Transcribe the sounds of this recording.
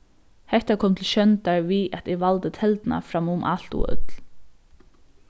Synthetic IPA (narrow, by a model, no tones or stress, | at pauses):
hɛht̪akʰɔmt̪ʰɪlʃɕœnt̪aɹviɛt̪ɪʋalt̪ət̪ʰɛlt̪na̰fɾamʊmʔa̰l̥t̪ṵœ̰t̪l̥